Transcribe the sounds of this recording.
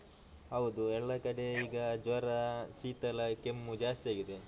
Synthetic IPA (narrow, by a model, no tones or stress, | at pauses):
ɦɐʋud̪uɛlːɐkɐɽe̞iːɡɐd͡ʒʋɐɾɐsiːt̪ɐlɐkemːud͡ʒaːst̪iaːɡid̪e̞